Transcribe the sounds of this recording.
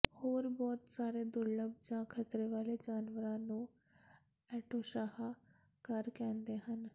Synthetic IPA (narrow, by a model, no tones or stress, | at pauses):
hoːɾbɔːt̪saːɾeːd̪ʊɾləb̚d͡ʒãːkʰət̪ɾeːʋaːleːd͡ʒaːnʋəɾãːnũː | ɛːʈoːʃaːɦa | kəɾkɛ̃ːnd̪eːɦən